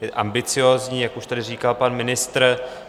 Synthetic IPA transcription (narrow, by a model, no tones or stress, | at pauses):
jɛʔambɪt͡sɪjoːzɲiːjakuʃt̪adɪriːkalpanmɪnɪst̪r